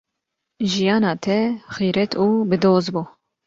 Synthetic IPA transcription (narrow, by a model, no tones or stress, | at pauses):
ʒijɑːnɑːt̪ʰɛxiːɾɛt̪ʰuːbɨd̪oːzbuː